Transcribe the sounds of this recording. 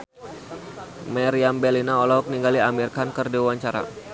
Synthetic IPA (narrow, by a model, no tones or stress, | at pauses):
mɛɾiambɛlinaɔlɔɔk̚niŋɡaliamirkankərdewaɲt͡ʃaɾa̰